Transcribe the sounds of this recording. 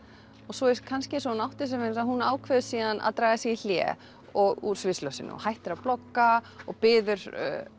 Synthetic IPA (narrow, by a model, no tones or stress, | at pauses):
ɔɣsɔɛɾkʰanscɪɛnsɔnawht̪ɪs̬ɛmɛnsaðɦunaːwkʰvɛðʏsiːðana̰ðt̪ɾaːɣasjɛil̥jɛ̰ | ɔɣṵɾ̥svɪslɔsɪ̰nːʏ̰ɔ̰hajht̪ɪɾaplɔkːaɔɣpɪːðʏɾ̥̰